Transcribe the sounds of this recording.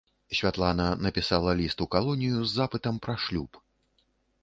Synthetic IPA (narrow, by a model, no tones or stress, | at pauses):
sʲvʲat̪lˠanɐnɐpʲisalˠɐlʲist̪ukalˠɔnʲijuzːapɨt̪ɐmpɾaʂlʲup